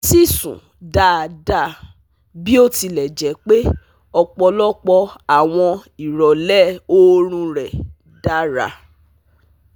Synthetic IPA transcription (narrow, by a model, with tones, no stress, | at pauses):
ti˦˨sṵ̃˨ | da˧˦˨da˦˨ | bi˦o˦˨ti˧lɛ˨d͡ʒɛ˨˦k͡pe˦ | ɔ˧k͡pɔ˧lɔ˦k͡pɔ˧a˨w̃ɔ̃˧i˨ɾɔ˨lɛ˦˨o˦ɾ̃ũ˧ɾɛ˨ | da˦ɾa̰˧